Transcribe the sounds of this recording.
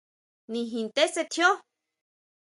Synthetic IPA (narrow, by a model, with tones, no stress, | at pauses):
nĩ˧ɦĩ˧nt̪e˦se˧t̪ʰjo˦